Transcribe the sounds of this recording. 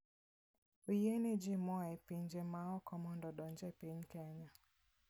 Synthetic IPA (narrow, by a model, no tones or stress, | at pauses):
ojened͡ʒɪmɔɛpiɲd͡ʒemaɔkɔmɔndɔdɔɲd͡ʒɛpiɲkɛɲa